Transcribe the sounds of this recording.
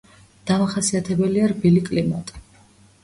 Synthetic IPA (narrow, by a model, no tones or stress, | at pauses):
d̪̥amaχasiat̪ʰɛbɛliaɾbilikʼlimɔ̰t̪ʼi̥